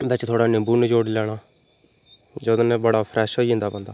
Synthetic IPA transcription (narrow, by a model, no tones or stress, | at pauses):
bɛt͡ʃt̪ʰoːɽaːnẽːbuːnd͡ʒoːɽlɛːɽ̃aː | d͡ʒod̪oːneːbəɽaːpʰɾʔɛːʃɦoːiːɦʊ̃nd̪aːpənd̪aː